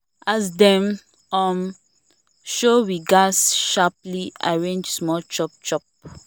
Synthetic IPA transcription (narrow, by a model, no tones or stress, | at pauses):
ʔasdɛ̃m | ɔm | ʃowiɡasʃaplia̰ɹẽnd͡ʒsmɔlt͡ʃɔp̚t͡ʃɔp̚